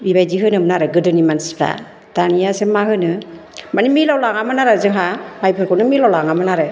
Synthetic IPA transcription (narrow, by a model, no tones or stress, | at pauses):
bibajdiɦɯnɯmnaɾɯɡɯdɯnimanspʰɾa̰ | tanijasemahɯnɯ | manimilawlaŋamɯnaɾazɯŋɦamajpʰɯɾkʰɔwnɯmilawlaŋamɯnaɾɯ